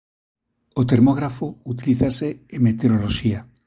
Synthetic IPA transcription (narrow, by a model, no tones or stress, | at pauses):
ot̪e̞ɾmoɣ̞ɾafout̪iliθase̞emːe̞t̪eɾoloʃia